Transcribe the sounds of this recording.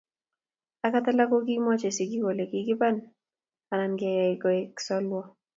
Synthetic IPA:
a˦ka˦t̪a˦la˦ko˦k̬i˦mɔ˦t͡ʃe˨si˨k̬i˦ko˨le˨kikɪ˦pan | a˨nanka˨ja˨ikɔ˨e˦ksɔ˦lwɔ˦

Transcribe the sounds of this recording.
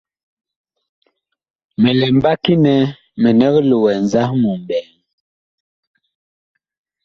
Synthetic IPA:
mɛ˨lɛ˨m˦ba˦ki˦nɛ˨˦ | mɛ˨nɛ˦klo˨wɛ˨n˨za˦hmu˨m˨bɛː˨ŋ

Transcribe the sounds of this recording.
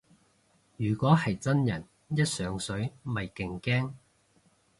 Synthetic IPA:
jyː˨˩kʷɔː˨˥hɐ˨jt͡sɐ˥njɐ˨˩n | jɐ˥t̚sœː˨˥ŋsɵ˨˥ɥmɐ˨jkɪ˨ŋkɛː˥ŋ

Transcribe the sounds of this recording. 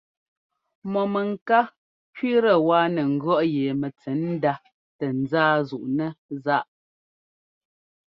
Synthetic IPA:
mɔ˨mɛ˨ŋ˨ka˦ | kɥi˦ɾə˨waː˦nɛ˨ŋ̩˨ɡɰɔ˦ʔje˨mɛ˨t͡sɛ˨˦n̩˦da˦ | tɛ˨n̩˨d͡zaː˦zu˨ʔnɛ˦za˦ʔ

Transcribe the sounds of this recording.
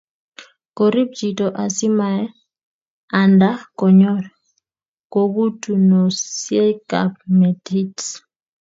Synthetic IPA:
kɔ˨ɾi˦p̚d͡ʒi˨tɔ˨ʔa˨si˦ma˨ɛ˦ | a˨nda˦kɔ˨ɲɔ˦ɾ | ko˨ɡu˦tu˨nɔ˨sje˦ka̰˨pmɛ˨ti˦t

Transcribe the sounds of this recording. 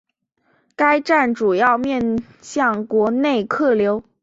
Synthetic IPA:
ka˥ɪʈ͡ʂa˥˩nʈ͡ʂu˨˩jɑ˥˧ʊmjɛ˥˧n | ɕjɑ˥˩ŋkwɔ˧˥ne˥˩ɪkʰɤ˥˩ljo˧˥ʊ

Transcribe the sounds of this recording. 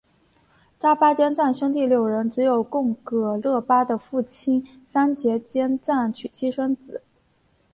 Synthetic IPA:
ʈ͡ʂa˥pa˥t͡ɕjɛ˥nt͡sa˥˩nɕo˥ŋt̪̬i˥˩ljo˨˩ʊɻə˧˥nʈ͡ʂɻ̩˧˥jo˨˩ʊkʊ˥˧ŋkɤ˧˩lɤ˥˩pa˥d̪ə˨fu˥˩t͡ɕʰi˥n | sa˥nt͡ɕjɛ˧˥t͡ɕjɛ˥nt͡sa˥˩nt͡ɕʰy˨˩t͡ɕʰi˥ʂə˥ŋt͡sɹ̩˨˩˦

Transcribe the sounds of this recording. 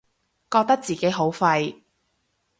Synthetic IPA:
kɔː˧k̚t̪ɐ˥k̚t͡siː˨ke˨˥jɦo˨˥wfɐ˧j

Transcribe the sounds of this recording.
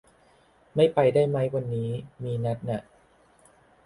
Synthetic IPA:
ma˥˩jpa˧jdaː˥˩jma˦˥jwa˧nːiː˦˥miː˧na˦˥t̪̚na˨˩ʔ

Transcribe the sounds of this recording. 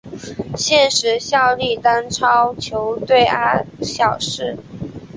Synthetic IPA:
ɕjɛ˥˩nʂɻ̩˧˥ɕjɑ˥˧ʊli˥˩t̪a˥nʈ͡ʂʰɑ˥ʊt͡ɕʰjo˧˥ʊt̪we˥˩ɪa˥ɕjɑ˨˩ʊʂɻ̩˥˩

